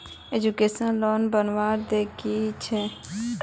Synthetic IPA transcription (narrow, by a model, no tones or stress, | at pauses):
ed͡ʒukeːsənloːnbənʋaːɾd̪eːkʰit͡ʃʰɛ